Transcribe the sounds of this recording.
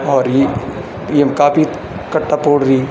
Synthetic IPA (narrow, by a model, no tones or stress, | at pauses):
ɔːɾje | jekaːpʰi | kɐʈːapoːɽɾi